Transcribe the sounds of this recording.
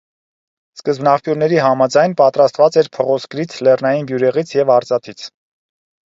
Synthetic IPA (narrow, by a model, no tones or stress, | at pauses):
skəzbnɑχpjuɾnɛɾiɦɑmɑd͡zɑjnpɑt̪ɾɑst̪vɑt͡sɛɾpʰɔʁɔskɾit͡sʰlɛrnɑjinbjuɾɛʁit͡sʰjɛvɑɾt͡sɑt̪ʰit͡sʰ